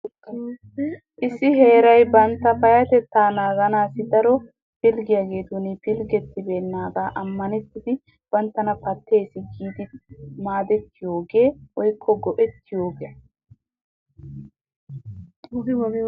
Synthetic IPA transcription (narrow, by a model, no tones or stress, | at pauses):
ʔɪsːɪɦe̞ːɾɐjbɐnt̪ːɐpɐjɐt̪ɛt̪ːaːnaːɡɐnaːsɪd̪ɐɾɔ | pɪlɡɪjaːɡe̞ːt̪ʊnɪpɪlɡɛt̪ːɪbe̞ːnːaːɡaːʔɐmːɐnɛt̪ːɪd̪ɪ | b̥ɐnt̪ːɐnɐpɐt̪ːe̞ːsɪɡiːd̪ɪmaːd̪ɛt̪ːɪjo̞ːɡe̞ːʔɔjkʰːɔɡɔʔɛt̪ːɪjo̞ːɡe